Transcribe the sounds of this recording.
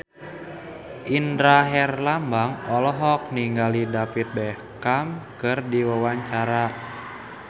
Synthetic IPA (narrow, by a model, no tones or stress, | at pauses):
ʔindɾaɦɛrlambaŋɔlɔɦɔk̚niŋɡalidapit̪̚bɛhkamkɨrdiwəwaɲt͡ʃaɾa